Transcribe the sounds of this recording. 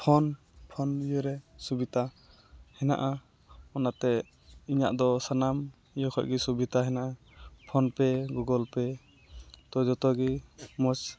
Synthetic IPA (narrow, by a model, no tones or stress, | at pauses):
pʰɔn | pʰɔnjɔɾɛsubit̪a | hɛna̰ʔa | ɔnat̪ɛ | iɲa̰ʔd̪ɔsanam | ijɔkʰɔ̰ʔɡisubit̪aɦɛnaʔa | pʰɔnpɛɡuɡɔlpɛ | t̪ɔd͡ʒɔt̪ɔɡimɔs